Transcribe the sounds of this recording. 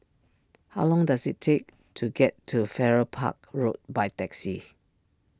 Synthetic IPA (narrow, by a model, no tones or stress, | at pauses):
haʊlɔ̃ŋdasitʰːek̚ | tʰuɡɛtʰːufɛɹəpʰa̰k̚ɹot̚baɪtɛksi